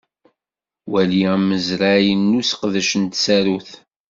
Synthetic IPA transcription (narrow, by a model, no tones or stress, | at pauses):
wælimːəzɾajənːusə̥qðæʃənt̪sæɾuθ